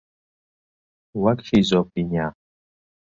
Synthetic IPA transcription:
wakʃizɔp̚iɲa

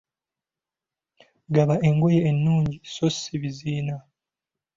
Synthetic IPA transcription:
ɡaβaʔe̞ŋɡo̞jeːnːuːɲɟiso̞sːiβiziːna

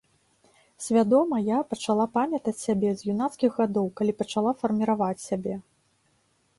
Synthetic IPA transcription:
sʲvʲad̪ɔmɐjapɐt͡ʂalˠapamʲɐt̪ɐt͡sʲsʲabʲɛzjunat̪skʲiɣɣad̪ɔwkalʲipɐt͡ʂalˠafɐrmʲiɾavat͡sʲsʲabʲɛ

